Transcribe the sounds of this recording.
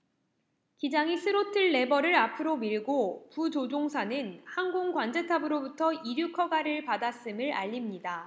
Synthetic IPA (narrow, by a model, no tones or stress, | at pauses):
kid͡ʑaŋisʰɯɾotʰɯɭːe̞bʌɾɯɾapʰɯɾomiɭɡoput͡ɕod͡ʑoŋsʰanɯnhaŋɡoŋkwand͡ʑe̞tʰabɯɾobutʰʌiɾjukʰʌɡaɾɯɭpadas͈ɯmɯɭa̰ʎːimɲida